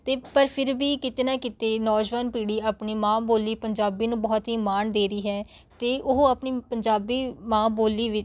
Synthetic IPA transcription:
t̪eːpəɾpʰɪɾbiːkɪt̪eːnãːkɪt̪eːnɔːd͡ʒʋaːnpiːɽiːaːpɳiːmãːboːliːpəɲd͡ʒaːbiːnũːbɔːt̪ɦiːmaːnd̪eːɾəiːɦɛː | t̪eːʔʊɦaːpniːpəɲd͡ʒaːbiːmãːboːliːʋɪt͡ʃ

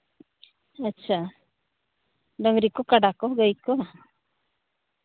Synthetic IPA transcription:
ətːʃʰa | ɖəŋɾikɔkaɖakɔɡəjkɔ

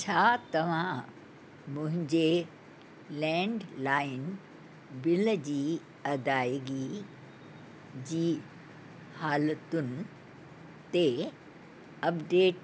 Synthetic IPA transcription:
t͡ɕʰaːt̪ɐʋ̤ã | mʊ̃ɦɪ̃ɲd͡ʑe | lɛ̃ːɳɖlaːɪn | bɪld͡ʑiː | ɐd̪aːɡi | d͡ʑiː | haːlət̪ʊnɪ | t̪e | ɐpɖeːʈ

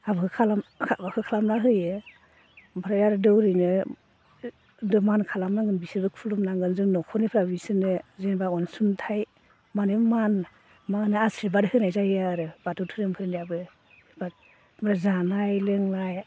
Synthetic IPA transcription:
abɯkʰɯkʰalamkʰabakʰɯkʰalamnaɦɯjɯ | bʰaɾajaɾɯdɯwɾɯjnɯ | dɔmankʰalamnaŋɡɯnbisibɯkʰulumnaŋɡɯnzɯŋnɔkʰɔnipʰɾabisɯnɯzenbakɔnsuntʰaj | manɯman | manɯasɾibadhɯnajzajiaɾɯb̥atʰutʰɯɾɯmpʰɯɾɯniabɯ | ba | mɾazanajleŋnaj

